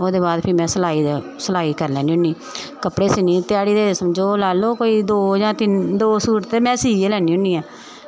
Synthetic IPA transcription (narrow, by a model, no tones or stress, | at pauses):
oːd̪eːbaːd̪pʰiːmɛ̃ːsəlaːiː | səlaːiːkəɾlɛ̃ːniːʊniː | kəpɽeːsɪniːt̪ɪjaːɽiːd̪eːsəmd͡ʒoːlaːloːkoːiːd̪oːd͡ʒãːt̪ɪnd̪oːsuːɾt̪ːeːmɛ̃ːsiːelɛːniːʊniːɛː